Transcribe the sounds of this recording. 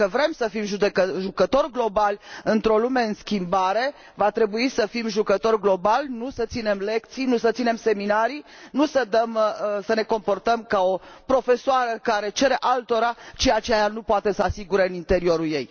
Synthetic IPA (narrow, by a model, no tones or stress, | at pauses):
əvɾe̞msəfimʒud̪eəʒukət̪o̞rɡlo̞balʲɨnt̪ɾo̞lume̞ɨnskʲimbaɾe̞ | vat̪ɾe̞buisəfimʒukət̪o̞rɡlo̞balnusət̪sine̞mle̞kt̪sijnusət̪sine̞mse̞minaɾinusəd̪əmsəne̞ko̞mpo̞rt̪əmkao̞pɾo̞fe̞soaɾəkaɾe̞t͡ʃe̞ɾe̞ʔalt̪o̞ɾat͡ʃeat͡ʃeajanupoat̪e̞səasiɡuɾeɨnint̪e̞ɾio̞ɾulje̞j